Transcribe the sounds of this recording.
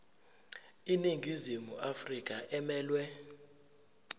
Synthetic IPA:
iniŋɡʱizimuʔafrik̬ʼaʔɛmɛːlwɛ

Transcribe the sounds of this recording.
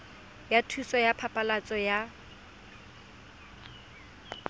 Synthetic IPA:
jatʰusɔjapʰapʼalat͡sʼɔja

